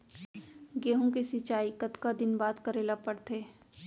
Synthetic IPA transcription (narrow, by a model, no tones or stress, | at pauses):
ɡeːɦõkesɪt͡ʃaːikɐt̪kad̪ɪnbaːd̪kəɾeːlapəɽt̪ʰeː